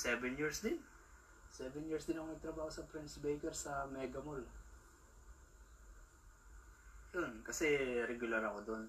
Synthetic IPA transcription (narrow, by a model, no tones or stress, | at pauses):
sɛbɛnjiɹsd̪ɪn | sɛvɛnjiːɹsd̪ɪnɐkonɐɡ̚t̪ɾɐbaːhosɐpɾɛnsbɛjkɛɾsɐmɛːɡɐmol | jonkɐsɛɾɛɡʊlɐɾɐkod̪on